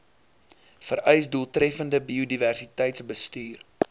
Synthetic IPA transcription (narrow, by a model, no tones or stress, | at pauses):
fəɾœjsduːəlˠtɾɛfəndəbiodiværsitəjtsbəstyːr